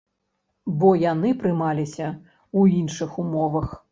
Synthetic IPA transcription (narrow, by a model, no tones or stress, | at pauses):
bɔjanɨpɾɨmalʲisʲɐ | uinʂɨxumɔvɐx